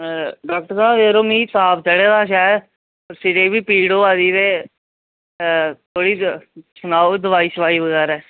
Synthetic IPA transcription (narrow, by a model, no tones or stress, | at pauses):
ɖɔːk̚ʈəɾsaːbeːɾoːmiːsaːbd͡ʒəɽeːd̪aːʃaː | əɾsɪd͡ʒeːbiːpiːɽoːaːd̪iːɾeː | t̪ʰoːɽiːsənaːoːd̪əʋaːiːsəʋaːiːʋəɡɛːɾaɛː